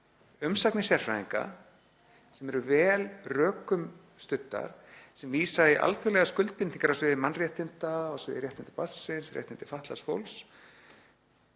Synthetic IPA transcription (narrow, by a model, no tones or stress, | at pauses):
ʏmsaknɪsjɛr̥fɾaiŋka̰ | sɛmɛɾʏvɛːlrœːkʏm | st̪ʏt̪ːa̰ɾ̥sɛmviːsaɪʔa̰lθʰʏɣlɛɣaskʏlt̪̚pɪniŋkaɾawsvɪːðɪmanrjɛht̪ɪnt̪aɔsvɪ̰ːðɪɾjɛht̪ɪnt̪apasːɪnsrjɛ̰ht̪ɪnt̪ɪ̥faht̪lasfo̰wls